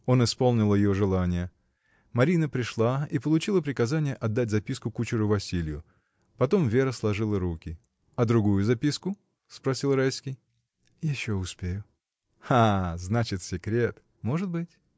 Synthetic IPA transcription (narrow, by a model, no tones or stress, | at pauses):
o̞nɨspo̞lˠnʲɪlˠəjɪjoʐɨlˠanʲɪjə | mɐɾʲinəpɾʲɪʂlˠaipəlˠʊt͡ɕilˠəpɾʲɪkɐzanʲɪjəʔɐd̪ːat̚ʲzɐpʲiskʊkut͡ɕɪɾʊvɐsʲilʲɪjʊ | pɐt̪o̞mvʲe̞ɾəslˠɐʐɨlˠəɾukʲɪ | ɐd̪ɾʊɡujʊzɐpʲiskʊ | spɾɐsʲilˠrajsʲkʲɪj | jɪɕːo̞ʊspʲejʊ | aznat͡ɕɪt̪sʲɪkɾʲe̞t̪ | mo̞ʐɨt̪̚bɨtʲ